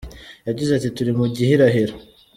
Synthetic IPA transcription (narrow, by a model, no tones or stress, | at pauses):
jaɟizatituɾimuɟihiɾaɦiɾo